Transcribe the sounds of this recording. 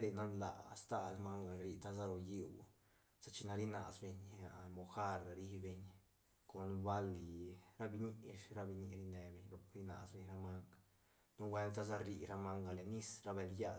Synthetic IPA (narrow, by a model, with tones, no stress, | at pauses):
ɾe˧na˦nla̰˨a˨st̪a˦ɾa˧ma˦ŋɡa˨ɾi˧˨t̪a˦za˦ɾo˧ji˦w | sa˧t͡ʃi˧na˧ɾi˦na̰˨sbe˧ɲa˨mo˨xa˦ɾa˨ɾi˦be˧ɲ | ko˨nba˦li˨ɾa˦bi˧ɲi˦˧ʂɾa˧bi˧ɲi˧ɾi˧ne˧be˧ɲɾo˧pɾi˧na̰˨sbe˧ɲɾa˧ma˦ŋɡ | nu˦wʷe˦nt̪a˦za˦ɾi˧ɾa˧ma˦ŋɡa˧le˨ni˦sɾa˧be˧lja˦